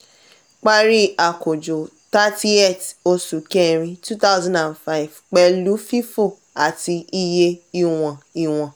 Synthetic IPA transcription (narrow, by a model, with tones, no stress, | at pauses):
k͡pa˦ɾi˦a˨ko˨d͡ʒo˨ | ta˦ti˦e˦˨to˧su˨kɛ˦˨ɾ̃ĩ˧tu˦ta˦ʊzã˦nda˨nfa˦i˨vk͡pɛ˧lu˨˦fi˦fo˦˨ | a˨ti˧i˦˧je˧i˧w̃ɔ̃˨i˨w̃ɔ̃˨